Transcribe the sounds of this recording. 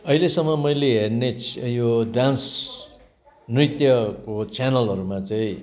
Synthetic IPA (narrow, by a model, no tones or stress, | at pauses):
ʌɦilesʌŋmːʌmʌjleɦernet͡sjoɖans | nrit̪jʌkot͡sʰanʌlɦʌɾumat͡saĩ